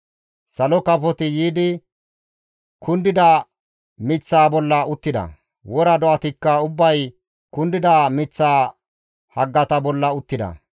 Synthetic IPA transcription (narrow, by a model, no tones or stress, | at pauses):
sɐlɔkɐfɔt̪ɪjiːd̪ɪ | kʰʊnd̪ɪd̪ɐ | mɪt͡sːaːbɔlːɐʊt̪ːɪd̪ɐ̰ | wɔɾɐd̪ɔʔɐt̪ɪkːɐʊbːɐj | kʊnd̪ɪd̪amɪt͡sːaː | hɐɡːɐt̪ɐbɔlːɐʊt̪ːɪd̪ɐ̰